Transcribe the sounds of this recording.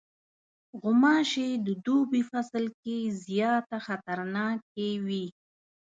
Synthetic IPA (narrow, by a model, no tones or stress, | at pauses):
ɣʊmɑʃed̪əd̪ubifasəlkezjɑt̪axat̪aɾnɑk̚ewi